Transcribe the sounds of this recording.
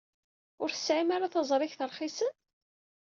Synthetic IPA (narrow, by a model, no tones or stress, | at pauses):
ʊɾθə̥sʕimaɾaθɑzˤɾˤɪçθəɾˤχisən